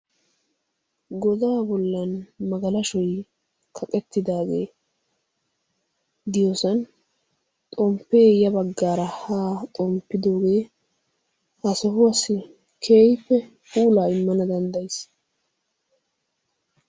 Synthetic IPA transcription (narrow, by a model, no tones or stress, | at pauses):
ɡɔd̪aːbɔlːɐnmɐɡɐlɐʃɔj | kʰɐkʼɛt̪ːɪd̪aːɡḛː | d̪ɪjosɐn | t̪ʼɔmpːe̞ːjɐbɐɡːaːɾɐhaːt̪ʼɔmpːɪd̪o̞ːɡe̞ː | hɐsɔɦʊɐsːɪ | kʰe̞ːjpːɛ | huːlaːɪmːɐnɐd̪ɐnd̪ɐjs